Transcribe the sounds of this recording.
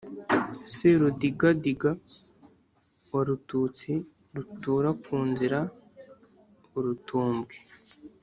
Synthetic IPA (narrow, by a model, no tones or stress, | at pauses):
siɾudiɡadiɡa | waɾutuːt͡si | ɾutuːɾakuːnziɾa | uɾutuːmbɡe